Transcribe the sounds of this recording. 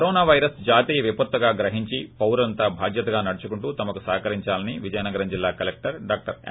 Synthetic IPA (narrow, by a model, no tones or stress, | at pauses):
ɾoːnaːʋɐjɾɐsd͡ʒaːt̪iːjɐʋipɐt̪ʋɐɡaːɡɾɐɦiɲt͡ʃipɐwɾɐnt̪aːbʱaːd̪jɐt̪ɐɡaːnɐɽut͡ʃukuɳʈuːt̪ɐmɐkusaːkɐɾiɲt͡ʃaːlɐniʋid͡ʒɐjɐnɐɡɐɾɐmd͡ʒilːaːkɐlek̚ʈɐɾɖaːk̚ʈɐɾ